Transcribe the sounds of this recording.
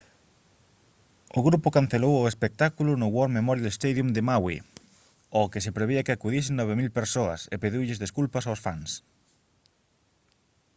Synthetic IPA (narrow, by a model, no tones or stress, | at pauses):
ʊɣɾupʊkanθelowʊespek̚t̪akulʊnʊɣwɔɾmemɔɾjalest̪ejðjumd̪emawḭ | okɪsepɾeβeakɪakuðisɪŋnɔβ̞emilpeɾsoɐ̰sepeðiwʎɪzðeskulpɐsawsfa̰ŋs